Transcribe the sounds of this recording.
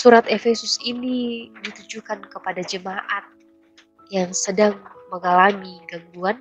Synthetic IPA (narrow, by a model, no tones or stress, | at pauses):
suɾat̪efesʊsinidit̪ud͡ʒukankəpadad͡ʒəmaʔat̪̚ | jaŋsədaŋməŋalamiɡaŋɡuan